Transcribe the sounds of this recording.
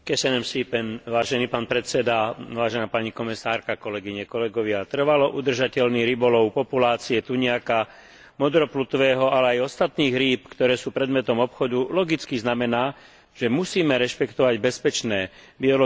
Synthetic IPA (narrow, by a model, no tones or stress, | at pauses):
kɛsɛnɛmsipɛnʋaːʒɛniːpaːnpɾɛt̪sɛd̪aʋaːʒɛnaːpaɲikɔmisaːɾkakɔlɛɡiɲɛkɔlɛɡɔʋɪat̪r̩ʋalɔʔud̪r̩ʒacɛlniɾibɔlɔʊpɔpulaːt͡siɛt̪uɲɛaka | mɔd̪ɾɔplut̪ʋɛːɦɔalɛajɔst̪at̪niːɣɾiːpkt̪ɔɾɛːsuːpɾɛd̪mɛt̪ɔmɔpxɔd̪ulɔɡit͡skiznamɛnaː | ʒ̥ɛmusiːmɛɾɛʃpɛkt̪ɔʋaɟbɛspɛt͡ʃnɛːbiɔlɔ